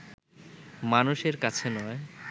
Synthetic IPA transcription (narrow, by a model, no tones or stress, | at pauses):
manuʃeɾkat͡ɕʰenɔe